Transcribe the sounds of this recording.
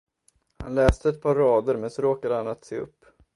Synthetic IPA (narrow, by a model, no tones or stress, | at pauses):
ha̰nlɛːst̪əɛt̪̚pʰɑːɾːɑːd̪əɾmɛnsɔɾoːkad̪əhanat̪seːɵ̰pː